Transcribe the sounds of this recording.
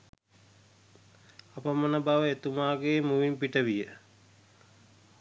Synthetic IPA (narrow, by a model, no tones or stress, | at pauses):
apəmənəbaʋəet̪umaːɡeːmuʋimpiʈəʋijə